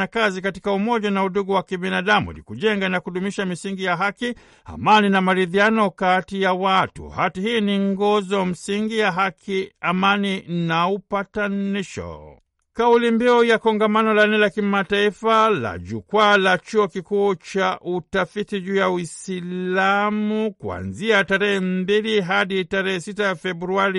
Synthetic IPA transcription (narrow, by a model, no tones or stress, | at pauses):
akazikatikaumɔʄanauɗuɡuwakiɓinaɗamṵɛ̰lḭkuʄɛŋɡanakuɗumiʃamisiŋɡijaɦaki | a̰maninamaɾiðianɔkatijawatṵhatihiːniŋɡɔzɔm̩siŋɡijaɦakʰiamaninaupataniʃɔ̰ | kaulimbiɔjakɔŋɡamanɔlanɛlakimataifala̰ʄukwalat͡ʃuɔkikuːt͡ʃaʔutafitiʄuːjawisilamukwa̰nziataɾɛhɛmmbiliɦaɗitaɾɛhɛsitafɛbɾuaɾi